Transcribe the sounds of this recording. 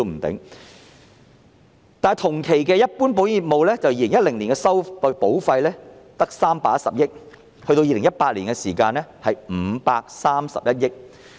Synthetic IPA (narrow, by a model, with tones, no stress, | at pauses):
m̩˨˩t̪ɪ̰˨˥ŋ | t̪aː˨jt̪ʰʊ˨˩ŋkʰe˨˩jkɛː˧jɐ˥t̚puː˥np̬o˨˥wji˨t̚mo˨wlɛː˥t͡sɐ˨wjiː˨˧lɪ˨˩ŋjɐ˥t̚lɪ˨˩ŋliː˨˩nkɛ˧sɐ˥wpo˨˥wfɐ˧jlɛː˥t̪ɐ˥k̚saː˥mpaː˧˥sɐ̰˨p̚jɪ˥k̚ | hɵ˧ɥt̪o˧wjiː˨˧lɪ˨˩jɐ˥t̚paː˧t̚liː˨˩nkɛ˧siː˨˩kaː˧nlɛː˥hɐ˨jm̩˨˩˧paː˧k̚saː˥msɐ̰˨p̚jɐ˥t̚jɪ˥k̚